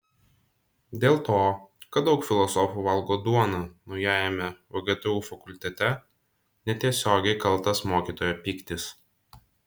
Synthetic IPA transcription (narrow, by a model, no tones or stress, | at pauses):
d̪ʲeːlˠt̪oːkɐt̪̚d̪ɒʊkfʲɪlˠɔsɔfuːʋɐlˠɡoːd̪uɔnuːnɔʊjæːjɛmʲɛʋɔɡʲiɛt̪ʊjuːfɐkʊlʲt̪ʲɛt̪ʲɛ | nʲɛt̪ʲiɛsʲoːɡʲɛɪkɐlˠˑt̪ɐsmoːkʲiːt̪oːjoːpʲiːkt̪ʲɪs